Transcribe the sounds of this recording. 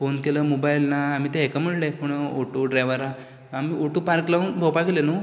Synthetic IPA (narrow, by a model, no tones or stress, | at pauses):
fonkeləːmobailnaːm̤iːt̪eɦekaməɽlepuɳoʈuɖɾajʋəɾa | amiʔoʈupaɾklawnbʱopaɡelenu